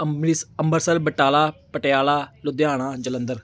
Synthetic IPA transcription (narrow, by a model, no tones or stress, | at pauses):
iəmbəɾsəlbəʈaːlaːpəʈejaːlaːlʊd̪jaːɽ̃aːd͡ʒələ̃nd̪əɾ